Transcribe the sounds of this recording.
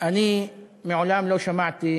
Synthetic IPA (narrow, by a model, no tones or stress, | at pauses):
ʔanimɪʕʊlaːmlowʃamaʕt̪i